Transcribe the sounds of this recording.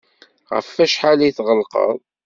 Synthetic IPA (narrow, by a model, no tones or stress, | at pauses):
ʁə̰fːæʃħaliθʁəlqə̰ðˤ